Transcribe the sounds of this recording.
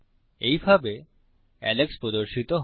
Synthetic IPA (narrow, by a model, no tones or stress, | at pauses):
ejbʱabe | ɛ̰lekspɾod̪oɾʃit̪oɦ